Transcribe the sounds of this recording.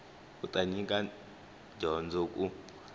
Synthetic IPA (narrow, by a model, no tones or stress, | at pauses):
utʼaɲik̬ʼa | d͡ʒʱɔnd͡zɔkʼu